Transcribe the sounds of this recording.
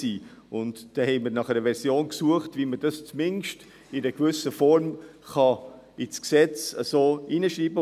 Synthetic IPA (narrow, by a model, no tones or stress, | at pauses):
iːʊntd̥ɛhɛɪməɾnɑχɛɾəʋɛɾsjoːnksuəχtviməd̥ɑst͡smɪnʃt | ɪnəkvʏsəfɔɾmχɑ | ɪt͡sksɛt͡səsoːʔinəʃɾiːbə